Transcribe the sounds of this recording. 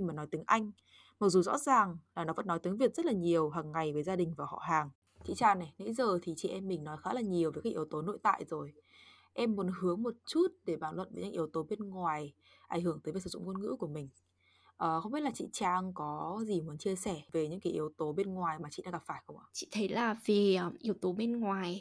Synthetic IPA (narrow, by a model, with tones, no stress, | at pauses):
i˧maː˨˩nːɔ˨˦jt̪i˨˦ŋʔa˧jŋ̟ | maə˨˩k̚zu˨˩zɔ̰˧˥zaː˨˩ŋlaː˨˩nɔ˨˦və̰˧˥nːɔ˨˦jt̪ɨ˨˦ŋvi˨˩ət̚zə˦˥t̚laː˨˩ɲi˨˩əwɦaː˨˩ŋːa˨˩jvəː˨˦jzaː˧ɗï̟˨˩vaː˨˩hɔ̰˧˨ɦaː˨˩ŋ | t͡ɕḭ˧˨t͡ɕaː˧˩nɛ˨˩nḛ˧˥jzəː˨˩t̪ʰi˨˩t͡ɕḭ˧˨ʔɛ˧mːï˨˩ŋnɔ˨˦jxaː˨˦laː˨˩ɲi˨˩əwvəː˨˦kaː˦˥kʔi˨ə˦wt̪o˨˦no̰˧˨jt̪a̰ː˧˨jzo˨˩j | ʔɛ˧mːu˨˦ənhɨ˨˦əŋmo˨˩t̚t͡ɕu˦˥t̚ɗe˧˩ɓaː˧˩nlwə̰˧˨nvəː˨˦ɲɨ̰˧˥ŋʔi˨˦əwt̪o˨˦ɓe˧nŋwaː˨˩j | ʔa˧˩ŋ̟hɨ˧˩əŋt̪əː˨˦jvə˨˦sɨː˧˩zʊ̰˧˨ŋ͡mŋwə˧nŋɨ̰˧˥ku˧˩əmï˨˩ŋ̟ | ʔəː˨˩xə˧wŋ͡mɓi˦˥t̚laː˨t͡ɕḭ˧˨t͡ɕaː˧ŋkɔ˨˦zi˨˩mu˨˦ənt͡ɕi˧əsɛ˧˩ve˨˩ɲɨ̰˧˥kaː˨˦jʔi˨˦əwt̪o˨˦ɓe˧nŋwaː˨˩jmaː˨˩t͡ɕḭ˧˨ɗa̰˧˥ɣa˨˩faː˧˩jxə˧wŋ͡mʔaː˧˨t͡ɕḭ˧˨t̪ʰə˨˦jlaː˨˩vi˨˩˨ʔi˨˦əwt̪o˨˦ɓe˧nŋwaː˨˩j